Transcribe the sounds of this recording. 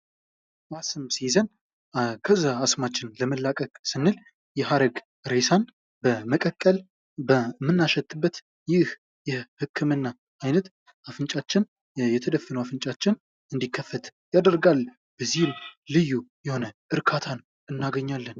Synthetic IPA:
wasɨmsizən | kʰəzːaːsmat͡ʃːɪnləməlːakʼəkʼsɨnːɨl | jɛɦaɾəɡ | ɾe̞san | bəməkʼəkʼːəl | bəmːɨnːaʃɛt̪ʼːɨbːət̪ | jɪh | jɛhɨkʰːɨmɨnːa | ajnət̪ | afɨnt͡ʃʼat͡ʃːɪn | jɛt̪ʰəd̪əfːənəwafɨnt͡ʃʼat͡ʃːɪn | ɨnd̪ikʰːəfːət̪jad̪əɾɡalː | b̥əzːihɨmlɨjːujɛho̞nəʔɨɾkʰat̪ʰan | ɨnːaɡəɲːalːən

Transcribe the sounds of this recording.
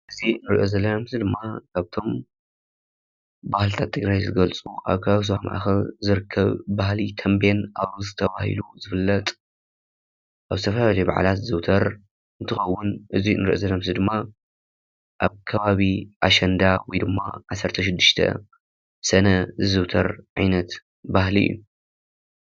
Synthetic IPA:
ʔɨzinɨɾiʔo̞zɐlːɐmzid̪ɨmːakʰaβt̪ʰo̞m | bahlt̪ʰat̪ʰːɨɡɾajzɨɡɐlt͡sʼuʔa̰βkʰɐaβis̬ohama̰ʔa̰xɐlzɨɾɨkʰːɐβːahlit̪ʰɐmbenʔaβɾuzɨt̪ʰɐβahḭluzɨfɨlːɐt̪ʼ | ʔaβzɨt̪ʰɐfɐlaalɐjba̰ʕa̰lat̪zɨwt̪ʰɐɾ | ɨnt̪ʰɨxɐwːʊnʔɨziɨ̰nɨɾɨ̰ʔzɐnɐmsɨd̪ɨmːa | ʔaβkʰɐβaβiʔaʃɐnd̪awɔjd̪ɨmːa̰ʕasɐɾt̪ʰɐʃ̬ɪd̪ːɨʃt̪ʰɐ̰ | sɐnɐzɨzɨβt̪ʰɐɾʕajnɐt̪ | bahlḭjːu

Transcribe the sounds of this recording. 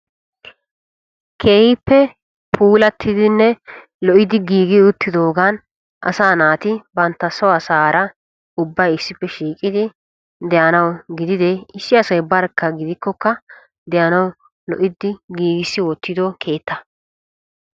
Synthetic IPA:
kʰeːhɪpːɛ | pʰuːlɐt̪ʰːɪd̪ɪnːɛ | lɔʔɪd̪ɪɡiːɡɪʊt̪ːɪd̪o̞ːɡan | ʔɐ̰saːnaːt̪ɪbɐnt̪ːɐsɔwɐsaːɾɐ | ʊbːɐjɪsːɪpːɛʃiːkʼɪd̪ɪ | d̪ɛjɐnɐwɡɪd̪ɪd̪ɛɪsːɪɐsɐjbɐɾkːɐɡɪd̪ɪkːɔkːɐ | d̪ɛjɐnɐw | lɔʔɪd̪ɪɡiːɡɪsːɪwɔt̪ːɪd̪ɔkʰe̞ːt̪ːɐ

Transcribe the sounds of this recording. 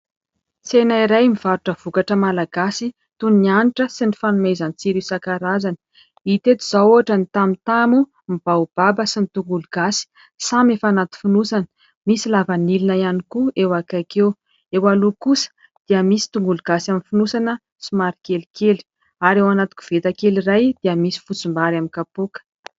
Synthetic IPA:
t͡senaiɾajmiv̥aɾuʈ͡ʂəv̥ukaʈ͡ʂəmalaɡ̥asi | t̪unnianiʈ͡ʂəsinifanumezant͡siɾisakaɾazanə̥ | it̪et̪uz̥auaʈ͡ʂənit̪amit̪amu | mib̥aub̥abəsinit̪uŋɡuluɡ̥asi̥ | samefanat̪u̥finusanə̥ | misilavanilinajanikuewakakew | ewalukusə̥ | d̪̥iəmisi̥t̪uŋɡuluɡ̥asaminfinusanə | simaɾi̥kelikeli̥ | aɾewanat̪u̥kʲu̥v̥et̪akeliɾajd̪̥iəmisi̥fut͡sumbaɾamikapokə̥

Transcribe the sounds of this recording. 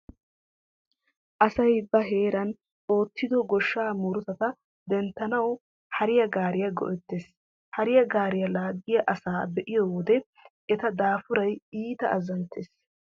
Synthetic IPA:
ʔɐsɐjbɐɦe̞ːɾɐn | o̞ːt̪ːɪd̪ɔɡɔʃːaːmuɾʊt̪ɐt̪ɐ | d̪ɛnt̪ːɐnɐw | hɐɾɪjɐɡaːɾɪjɐɡɔ̰ʔɛt̪ːeːs | hɐɾɪjɐɡaːɾɪjɐlaːɡːɪjɐʔɐsaːbɛʔɪjowɔd̪ɛ | ɛt̪ɐd̪aːfʊɾɐjiːt̪ɐ̰ʔɐzɐnt̪ːeːs

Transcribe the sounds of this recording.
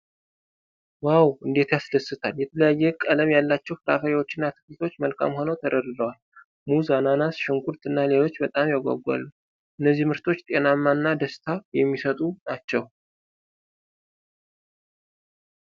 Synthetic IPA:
wawɨnd̪e̞t̪jasləsːɨt̪ʰaljɛt̪ʰələjajːɛkʼələmjalːat͡ʃːɛwfɨɾa̰fəɾiwo̞t͡ʃːɪnːat̪ʰɨ̥kɨlt̪ʰo̞t͡ʃːməlkʰa̰mho̞nəwt̪ʰəɾəɾɨləwal | muzananasʃɨŋkʰuɾt̪ʰɨnːale̞lo̞t͡ʃːbət̪ʼamjaɡʷa̰ɡua̰lːu | ʔɨnːəzːihmɨɾt̪ʰo̞t͡ʃːt̪ʼenamːanːad̪əst̪ʰajɛmːisət̪ʼunat͡ʃːɛw

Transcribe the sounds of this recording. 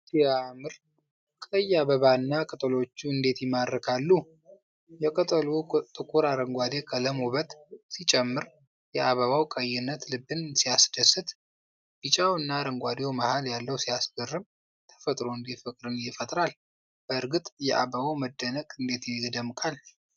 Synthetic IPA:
siamɨɾ | kʼəjːaβəβanːakʼət̪ʼlo̞t͡ʃːuɨnd̪e̞t̪jɪmadəkʰalːu | jɛkʼət̪ʼəlut̪ʼɨkʼuɾaɾəŋɡʷad̪ekʼʰələmoβət̪ʼsit͡ʃʼɛmːɨɾ | jɛʔaβəβawkʼəjːɪnːət̪lɨbːɨnsijasd̪əsɨt̪ | b̥ɨt͡ʃʼawɨnːaɾəŋɡʷad̪ewməhaljalːəwsijasɡərːɨm | t̪ʰə̥fət̪ʼɾo̞ɨnd̪etfɨkʼɾɨnjɪfət̪ʼɾal | b̥əɨɾɡɨt̪ʼjɛʔa̰bəβawməd̪ːənəkʼɨnd̪e̞t̪jɛd̪əmkʼal

